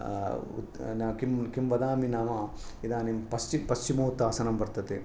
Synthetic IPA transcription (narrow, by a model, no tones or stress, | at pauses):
ṵt̪nakimkimʋɐd̪aːminaːmɐ | id̪aːnimpɐst͡ʃipɐst͡ʃimɐːt̪ːaːsɐnɐmbɐɾt̪ɐt̪e